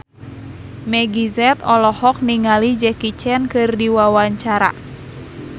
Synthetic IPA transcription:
mɛɡizɛt̪ɔlɔhɔk̚niŋalid͡ʒɛkit͡ʃɛnkɨrdiwawaɲt͡ʃaɾa̰

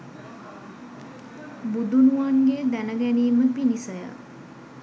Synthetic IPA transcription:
bud̪unuʋaŋɡed̪ænəɡæniːməpinisəjə̰

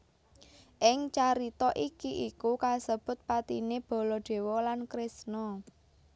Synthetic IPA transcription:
ʔɪŋt͡ʃaɾit̪ɔʔikiʔikukasəb̥ʊ̤t̪̚pat̪ineb̥ɔ̤lɔɖ̪̥e̤wɔlankɾɪsnɔ

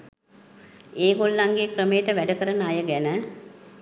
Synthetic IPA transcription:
eːɡolːaŋɡeːkrəmejːʈəʋæɖəkəɾənəajəɡænə

